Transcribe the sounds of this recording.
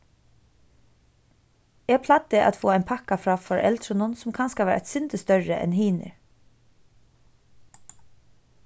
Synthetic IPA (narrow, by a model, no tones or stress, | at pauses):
ɛːɡpʰlat̪ːɪʔa̰t̪foːɛɪnpʰakafɾaːfɔɹʔɛ̰lt̪ɾənʊnsʊmkʰanskaʋæːɾʔɛ̰t̪sʏnt̪əst̪œɹəʔɛ̰nhiːnɪ̰